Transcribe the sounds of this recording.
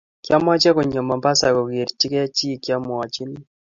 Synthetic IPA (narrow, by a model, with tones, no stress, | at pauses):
kja˦mwa˦t͡ʃɛ˦ko˨ɲɔ˨ma˨mba˦sa˨ko˨ke˨ɾt͡ʃi˦kɛ˦a˦t͡ʃi˦˨kja˦mwa˨t͡ʃi˦n˦